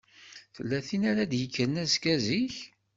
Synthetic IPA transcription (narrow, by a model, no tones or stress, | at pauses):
θəlːæθinaɾad̪jəkʰːəɾənæskæziç